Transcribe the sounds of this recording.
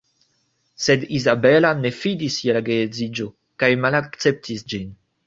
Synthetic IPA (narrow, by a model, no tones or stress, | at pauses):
se̞dizabe̞lane̞fidisjelaɡeezid͡ʒo̞ | kajmalakt͡se̞p̚tʰisd͡ʒin